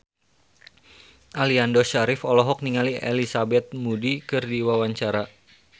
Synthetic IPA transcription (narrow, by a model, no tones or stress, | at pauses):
ʔaliandoʃaɾɪfɔlɔɦɔk̚niŋaliʔḛlisabɛt̪̚mudikɨrdiwawaɲt͡ʃaɾa